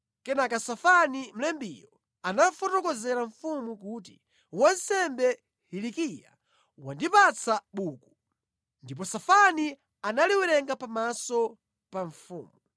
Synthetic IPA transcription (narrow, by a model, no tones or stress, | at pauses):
kɛnakasafanim̩lɛmbijɔ | anafɔtɔkɔzɛɾaɱfumukuːt̬ḭ | wansɛmbɛ | hilikija̰ | wandipat͡sʰaɓuːku | ndip̬ɔsafani | analiwɛɾɛŋɡapamasɔ | paɱfṵːmuu